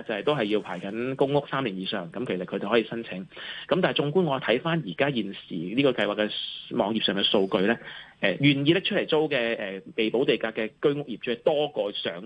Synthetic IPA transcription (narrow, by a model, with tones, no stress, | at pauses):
t͡sɐ˨whɐ˨jt̪o˥wɦɐ˨jːiː˧wpʰaː˨˩jkɐ˨˥nkʊ˥ŋŋʊ˥k̚saː˥mliː˨˩njiː˨˧sœː˨ŋkɐ˨˥mkʰe˨˩sɐ˨t̚kʰɵ˧t̪e˨˩hɔ˨˥iː˧sɐ˥nt͡sʰɪ˨˥ŋkɐ˨˥mt̪aː˨jt͡ʃʊ˧ŋku˥nŋɔ˨˧˩t̪ʰɐ˨˥jfaː˥njiː˨˩kaː˥jiː˨˩nsḭː˨˩liː˥kɔː˧kɐ˧jwaː˨˩kːɛ˧mɔː˨˧ŋji˨p̚sœː˨˩ŋkɛː˧so˧wkɵ˧ɥlɛː˥ʔɛ˨jyː˨˩njiː˧lɪ˥t͡ʃʰɵ˥t̚le˨˩jt͡so˥wkɛː˧ɛː˨pe˨jpo˨˥wt̪e˨jkaː˧kːɛː˧kɵ˥ɥŋʊ˥k̚jiː˨p̚t͡ʃʰːt̪ɔː˥kɔː˧sœː˨˥ŋ